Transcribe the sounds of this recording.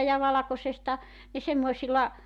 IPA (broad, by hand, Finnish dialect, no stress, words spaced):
jɑ ʋɑlɑkosestɑ ne semːoisilɑ